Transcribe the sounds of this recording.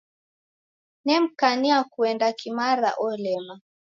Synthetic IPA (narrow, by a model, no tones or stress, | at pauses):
nɛm̩kaniakuɛndakimaɾa̰ʔɔlɛma